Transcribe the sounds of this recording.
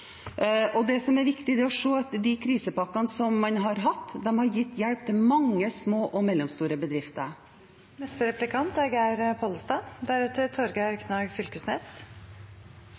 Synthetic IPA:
ɔd̪ɛsɔmɛɾʋɪkt̪ɪd̪ɛɔʂoːɑt̪d̪ɪkʰɾiːsəpɑkːɑnsɔmːɑnɦɑɾɦɑt̪ːd̪ɛmhɑɾjɪt̪ːjɛlp̚t̪ʰɪlmɑŋːəsmoːʔɔmɛlːɔmst̪uːɾəbəd̪ɾɪft̪ə̰ɾ | mɛst̪əɾɛplɪkʰɑnt̪ɛɡæɾpʰɔlst̪ɑːd̪æɾʉt̪ət̪ʰɔɾɡəɾkʰnɑːɡfʏlkəsnɛːs

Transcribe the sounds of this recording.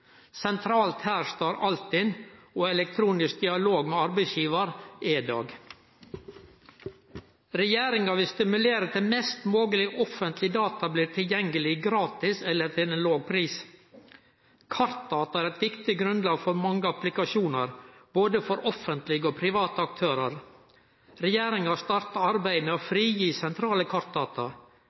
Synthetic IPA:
sɛnt̪ʰɾɑːlt̪hæːɾʂt̪ɑːɾɑlt̪ɪnoːɛlɛk̚t̪ʰɾuːnɪsk̚d̪ɪɑloːɡmeːɑɾbæɪsjiːʋɑɾʔeːd̪ɑ̰ːɡ | ɾɛjeːɾɪŋɑʋɪlst̪ɪmʉleːɾət̪ʰɪlmɛst̪moːɡəlɪʔɔfənt̪ʰlɪd̪ɑːt̪ɑbliːɾʈ̪ʰɪljɛŋɡəlɪɡɾɑːt̪ɪsɛlːəɾt̪ʰɪlɛnloːɡ̚pʰɾiːs | kʰɑɾt̪̚d̪ɑːt̪ɑæːɾɛt̪ʋɪkt̪ɪɡɾʉnd̪lɑːɡfɔɾmɑŋːəɑplɪkɑʃuːnəɾboːd̪əfɔɾʔɔfənt̪lɪɡəoːpʰɾɪʋɑːt̪əɑk̚t̪ʰøːɾəɾ | ɾɛjeːɾɪŋɑst̪ɑɾt̪ɑɑɾbæɪmeːoːfɾiːjiːsɛnt̪ʰɾɑːləkʰɑɾt̪̚d̪ɑːt̪ɑ

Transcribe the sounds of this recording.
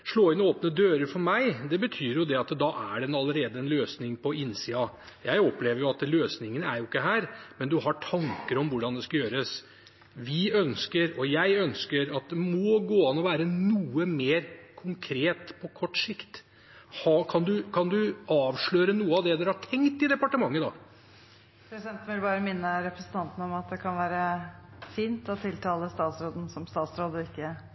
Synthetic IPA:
ʂɭoːɪnoːpnəd̪øːɾəɾfɔɾmæɪd̪ɛbət̪ʰyːɾjʊd̪ɛɑt̪d̪ɑːʔæɖɛnɑlːəɾeːd̪əɛnløːsnɪŋpʰɔɪnːsiːɑ | jæɪɔpleːʋəɾjʊɑt̪løːsnɪŋːənəæɾjʊɪkːəɦæːɾmɛnd̪ʉɦɑʈʰɑŋkəɾɔmʋʊɖɑnd̪ɛskɑjøːɾəs | ʋɪœnskəɾɔjæɪœnskəɾɑt̪̚d̪ɛmɔɡoːɑnːɔʋæːɾənuːəmeːɾkʰʊŋkʰɾeːt̪pʰɔkʰɔʈːʂɪkt̪ | hɑːkʰɑnd̪ʉkʰɑnd̪ʉɑːʋʂɭøːɾənuːəɑʋd̪ɛd̪ʉɾhɑʈʰɛŋkt̪ɪd̪ɛpɑʈəmɑŋːəd̪ɑː | pʰɾɛsɪd̪ɛnn̩ʋɪlbɑːɾəmɪnːəɾɛpɾəsn̩t̪ʰɑnt̪ən̩ɔmɑt̪̚d̪ɛkʰɑnʋæːɾəfiːnt̪ɔt̪ʰɪlt̪ʰɑːləst̪ɑːt̪sɾoːd̪n̩sɔmst̪ɑːt̪sɾoːd̪ɔɪkːə

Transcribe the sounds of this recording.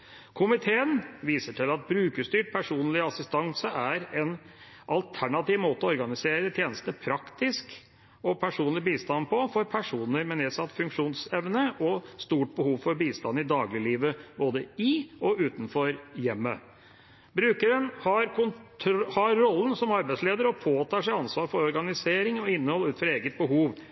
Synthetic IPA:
kʰʊmɪt̪ʰeːənʋiːsəʈʰɪlɑt̪̚bɾʉːkəʂt̪yːʈ̚pʰæʂuːnlɪɑsɪst̪ɑŋsəʔæɾɛn | ʔɑlt̪ʰæɳɑt̪iːʋmoːt̪əɔɔɾɡɑnɪseːɾət̪ʰjeːnəst̪əpʰɾɑkt̪ɪsk | ɔpʰæʂuːnlɪbiːst̪ɑnpʰɔfɔɾpʰæʂuːnəɾmɛneːsɑt̪ːfʉŋkʂuːnsɛʋnəʔɔst̪uːʈ̚bəhuːʋfɔɾbiːst̪ɑnɪd̪ɑːɡlɪliːʋəboːd̪əɪɔʉːt̪n̩fɔɾjɛmːə | bɾʉːkəɾənhɑɾkʊnʰhɑɾːɔlːənsɔmɑɾbæɪsleːd̪əɾɔpʰoːt̪ʰɑːʂɛɪɑnsʋɑːɾfɔɾɔɾɡɑnɪseːɾɪŋɔɪnːəhɔlːʉːt̪fɔɾeːɡət̪̚bəɦuːʋ

